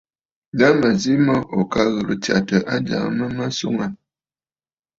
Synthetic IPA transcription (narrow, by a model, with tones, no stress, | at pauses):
da˦mə˨zi˦mə˦ʔo˨ka˦ɣə˨ɾɨ˨tja˨tə˨ʔa˦d͡ʒa̰˨ŋ˨˦mə˦ma˦sṵ˦ŋa˨